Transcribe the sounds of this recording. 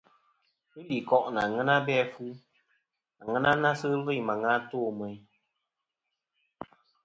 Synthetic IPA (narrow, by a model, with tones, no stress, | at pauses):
pɨ˦li˨kɔ˦ʔna˨ŋɛ˦na˦bɛ˦fu˦ | a˨ŋɛ˦na˦na˦sɨ˦vɨ˦˨ma˨ŋa˦toː˦˨mə˨j